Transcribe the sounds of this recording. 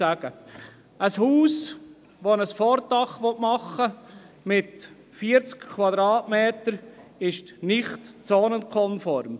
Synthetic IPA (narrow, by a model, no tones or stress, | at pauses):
æɡ̥ə | əshuːs | ʋonəsfɔːɾtɑχʋɔtmɑχːə | mɪt | fiːəɾt͡skkʰːʋvɑd̪ɾɑːtmeːtəɾɪʃtnɪχtt͡sɔːnənkʰɔnfɔɾm